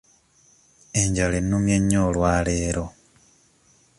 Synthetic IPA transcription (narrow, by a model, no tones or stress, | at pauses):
eɲɟalenːumjeɲːoːlwaːleːɾo̞